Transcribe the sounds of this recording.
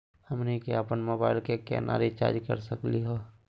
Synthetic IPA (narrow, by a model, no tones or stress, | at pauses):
həmnekeapənmoːbaːɪlkekɛ̰ːnʔa̰ːɾit͡ʃa̰ːd͡ʒkə̰ɾsəkliɦoː